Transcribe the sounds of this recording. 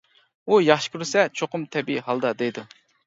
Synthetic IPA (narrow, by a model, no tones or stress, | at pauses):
ujɑχʃɨ̥kʲʰyɾɨsɛt͡ʃʰoqʊmt̪ʰɛbiiɦɑlˠd̪ɑd̪ejd̪u